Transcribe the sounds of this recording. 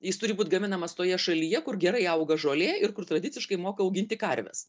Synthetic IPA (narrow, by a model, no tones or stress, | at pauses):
jɪst̪ʊɾʲɪbuːt̪ʲɡɐmʲɪnɐmɐst̪oːjɛʃɐlʲiːjɛkʊrɡʲɛɾɐɪɐʊɡɐʒoːlʲeːɪrkʊrt̪ɾɐd̪ʲɪt̪sʲɪʃkɐɪmoːkɐɐʊɡʲɪnʲt̪ʲɪkɐɾʲʋʲɛ̰s